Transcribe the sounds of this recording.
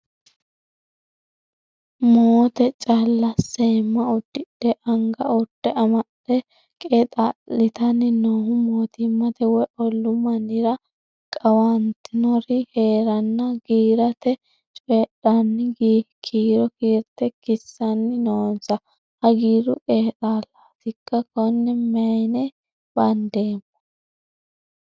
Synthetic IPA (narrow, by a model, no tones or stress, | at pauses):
moːt̪ɛt͡ʃʼɐlːɐsːemːɐʊd̪ːɪɗːɛʔɐŋɡɐʊtːɛʔɐmɐɗɛ | kʼɛt̪ʼalɪt̪ɐnːɪnohʊmoːt̪ɪmːɐt̪ɛwɔjʔɔlːʊmɐnɪɾɐ | kʼɐwant̪ɪnɔɾɪhe̞ːɾɐnːɐɡiːɾɐt̪ɛ | t͡ʃʼeːɗɐnːɪɡkʰiːɾɔkiːɾt̪ɛkɪsːɐnːɪnoːnsɐ | hɐɡiːɾʊʔeːɗaːlːaːt̪ɪkːɐkɔnːɛmɐjnɛ | b̥ɐnd̪e̞ːmːɔ̥